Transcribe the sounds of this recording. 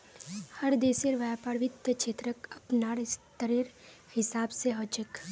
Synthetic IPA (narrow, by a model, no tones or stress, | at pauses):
hɐɾd̪eːseɾʋapaːɾʋɪd̪jət͡ʃʰeːt̪ɾəkɐpnaːɾɪst̪əɾiɾ | hɪsaːbseɦot͡ʃək